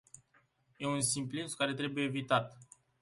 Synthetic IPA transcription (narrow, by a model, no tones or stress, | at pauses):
je̞unsimpliskaɾe̞t̪ɾe̞bujeːvit̪at̪